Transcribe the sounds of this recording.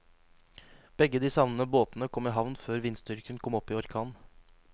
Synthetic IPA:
b̥ɛɡəd̪iːsɑʋnənəboːt̪nəkʰɔmɪːɦɑʋnføːɾʋɪnsd̪ʏɾkəɳkʰɔmɔpːiːɔɾkʰɑːn

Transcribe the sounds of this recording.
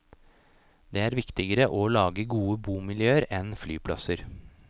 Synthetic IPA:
d̪eːæːɾʋɪkt̪ɪɡəɾəʔɔlɑːɡəɡuːəbuːmɪljøːəɾɛnflyːpʰlɑ̰səɾ

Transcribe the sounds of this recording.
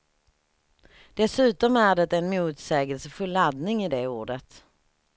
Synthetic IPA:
d̪̥ɛsʉ̟ːt̪ɔmæɖɛt̪ɛnmuːt̪sɛːɡəlsəfɵlːad̪nɪŋɪd̪ɛuːɖət̪

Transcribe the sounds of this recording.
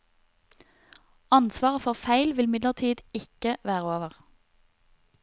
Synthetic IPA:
ɑnsʋɑːʁəfɔʁfæɪlʋɪlmɪd̪ləʁt̪ʰiːd̪ɪkəʋæːʁəoːʋəʁ

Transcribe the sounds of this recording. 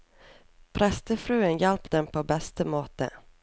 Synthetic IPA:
pʰɾɛst̪əfɾʉ̟ːənjɛlpd̪ɛmpʰɔbɛst̪əmoːt̪ə̰

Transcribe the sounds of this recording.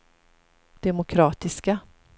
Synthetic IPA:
d̪̥ɛmʊkʰɾɑːt̪ɪska

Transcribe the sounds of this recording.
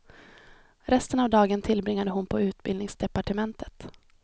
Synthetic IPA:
ɾɛst̪ənavd̪ɑːɡənt̪ʰɪlbɾɪŋːad̪əɦʊnpʰɔʉ̟ːt̪bɪlnɪŋsd̪ɛpaʈəmɛnt̪ʰə̥t̪

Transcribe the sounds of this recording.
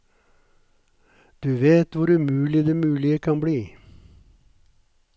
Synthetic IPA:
d̪̥ʉːʋeːt̪ʋʊɾʉmʉːlɪd̪eːmʉːlɪəkʰɑnbɽiː

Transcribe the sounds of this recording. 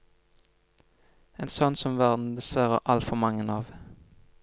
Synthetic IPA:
eːnsɔnsɔmʋæʁd̪n̩d̪ɛsʋæʁə̰ʔɑlt̪fɔmɑŋənɑːʋ

